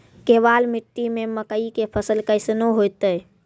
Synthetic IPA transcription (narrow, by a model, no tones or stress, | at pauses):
keʋalmiʈːimeməkəikepʰəsəlkəɪsnoɦojt̪əj